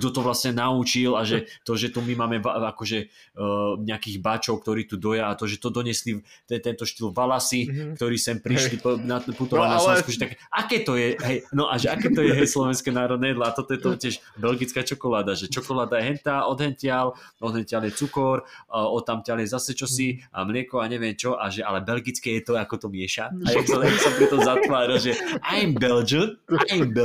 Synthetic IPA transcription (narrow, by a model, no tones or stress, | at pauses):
ɡd̪ɔt̪ɔʋlasɲɛnaut͡ʃilaʒɛt̪ɔʒɛt̪umimaːmɛʋaakɔʒɛ | ɲɛakiːɣbat͡ʃɔʊk̚t̪ɔɾiːt̪ud̪ɔjaːt̪ɔʒɛt̪ɔd̪ɔɲɛsli | t̪ɛt̪ɛnt̪ɔʃt̪ilvalasikt̪ɔɾiːsɛmpɾiʃlipnaput̪ɔʋalnasɔɛsskuʒɛt̪akɛʔakɛːt̪ɔjɛɦɛjnɔʔaʒɛakɛːt̪ɔjɛɦɛjslɔʋɛnskɛnaːɾɔd̪nɛjɛd̪laat̪ɔt̪ɔjɛt̪ɔtɪɛʒ | bɛlɡit͡skaːt͡ʃɔkɔlaːd̪aʒɛt͡ʃɔkɔlaːd̪ajɛɦɛnt̪aːʔɔd̪ɦɛnt̪ɪal | ɔd̪ɦɛnt̪ɪaljɛt͡sukɔɾɔt̪amt̪ɪaljɛzasɛt͡ʃɔsia̰mlɪɛkɔaɲɛʋɪɛmt͡ʃɔʔa̰ʒɛʔa̰lɛbɛlɡit͡skɛjɛt̪ɔakɔt̪ɔmɪɛʃaajat͡sɛlɛsapɾɛt̪ɔzat̪ʋaːɾilʒɛʔajɛmbɛld͡ʒɔnajɛmbɛ